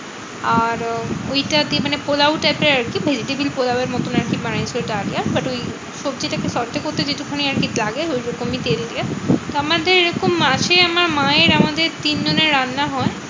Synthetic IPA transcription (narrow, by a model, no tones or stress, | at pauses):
aɾojʈad̪iemanepolawʈajpeɾaɾkibʱed͡ʑiʈebilpolaweɾmɔt̪onaɾkimanajsʰloʈaaɽijabaʈoj | ʃobd͡ʑeʈakesɔɾt̪ekoɾt̪ed͡ʑeʈukʰoniaɾkit̪laɡeojɾɔkomit̪eld̪iat̪oamad̪eɾeɾɔkomːaʃʰeamaɾmaeɾamad̪eɾt̪ind͡ʑoneɾːanːaɦɔe